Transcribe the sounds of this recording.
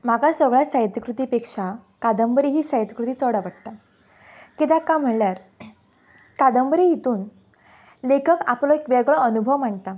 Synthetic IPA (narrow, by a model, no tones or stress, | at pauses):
m̤akasəɡɭjasajt̪əkɾut̪ipekʂakad̪əmbəɾiɦiːsajt̪əkɾut̪iːt͡səɽaʋəɽt̪a | kit̪jakam̤əɳljaɾ | kad̪əmbɾijit̪uːn | lekʰəka̰plɔekʋɛɡɭɔənubʱəʋm̤aɳt̪a